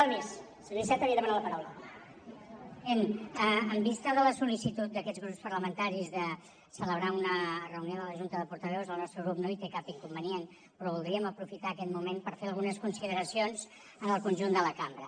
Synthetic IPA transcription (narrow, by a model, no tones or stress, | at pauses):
almes | sənoisɛt̪əβiəðəmanat̪ləpɐɾawlə | enəəmbist̪əðələsulisit̪ut̪̚d̪əkɛd͡zzɣɾupspəɾləmənt̪aɾizðə | sələβ̞ɾaunərəunioðələʒunt̪əðəpuɾt̪əβɛwzəlˠnɔst̪ɾəɣɾupnoit̪ekapiŋkumbənien | pɾɔβulˠd̪ɾiəməpɾufit̪aːkɛt̪mumenpəɾfeɾəlˠɣunəskunsiðəɾəsionz | ənəlˠkunʲʒund̪ələkambɾə